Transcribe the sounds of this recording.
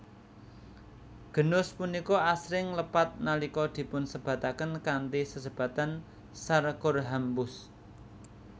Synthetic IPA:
ɡ̥ə̤nʊspunikɔasɾɪŋləpat̪̚nalikɔd̪̥i̤pʊnsəb̥ä̤t̪akənkant̪isəsəb̥ä̤t̪an | sarkorɦambʊs

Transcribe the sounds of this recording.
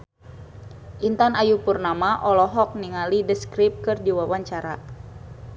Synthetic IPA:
ʔint̪anajupurnamaʔɔlɔɦɔk̚niŋalidəskɾip̚kɨrdiwawaɲt͡ʃaɾa

